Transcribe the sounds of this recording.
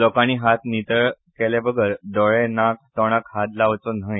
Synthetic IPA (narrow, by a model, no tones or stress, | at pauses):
lɔkaɽ̃iːɦat̪nit̪əɭ | kɛljabəɡʱəɾd̪ɔɭɛnak̚t̪ɔɽ̃əkhad̪laʋt͡sɔn̤ə̃j